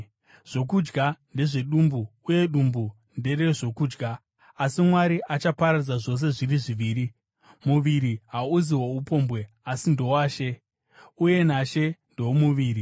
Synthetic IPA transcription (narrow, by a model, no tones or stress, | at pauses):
ʐ̥o̞kud͡ʒɡande̞ʐe̞ɗumbuːje̞ɗumbu | nde̞re̞ʐo̞kuːd͡ʒɡaː | simwaɾiʔat͡ʃapaɾad͡zaʐo̞s̬e̞ʐiriʐiʋiːɾi | muʋiɾiɦauziwoupo̞mbwe̞ | asindo̞waːʃe̞ | uje̞naʃe̞ndo̞muʋiːri